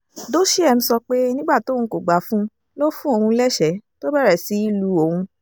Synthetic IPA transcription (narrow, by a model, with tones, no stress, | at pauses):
do˦ʃi˦ɛ˧m̩̃˧sɔ˧k͡pe˦nĩ˦ɡ͡ba˦˨tõ˨˦˧ũ˨˧ko˨ɡ͡ba˨˦fũ˦ | lo˦fũ˦o˧˨hũ˧˦lɛ˦ʃɛ˨˦to˦bɛ˦˨ɾɛ˨si˨˦i˦lu˧o˨hũ˧